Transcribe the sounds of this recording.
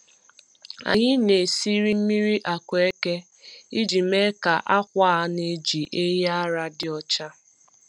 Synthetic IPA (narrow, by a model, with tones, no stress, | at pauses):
a̰˨ɲɪ˦ne˨si˦ɾi˦m̩˦mi˦ɾi˦ʔa˨kʷe˦ke˦ | i˦d͡ʒi˨me˦ka˨ʔa˦kʷa˦ne˦d͡ʒi˨ʔe˦ja˦ɾa˦dɪ˦ɔ˦t͡ʃa˦